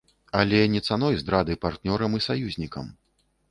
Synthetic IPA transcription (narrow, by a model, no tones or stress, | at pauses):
alʲɛnʲɛt̪sanɔjzd̪ɾad̪ɨpart̪nʲɔɾɐmisajuzʲnʲikɐ̰m